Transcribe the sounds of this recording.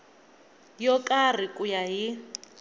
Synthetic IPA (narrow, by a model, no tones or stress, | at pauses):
jɔkʼar̤ikʼujaɦi